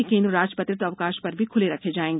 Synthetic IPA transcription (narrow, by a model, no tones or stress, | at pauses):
ekẽːnd̪ɾːaːd͡ʒpət̪ɾɪt̪ɐʋkaːʃpɐɾbʱikʰʊleɾɐkʰed͡ʒaːẽːŋɡe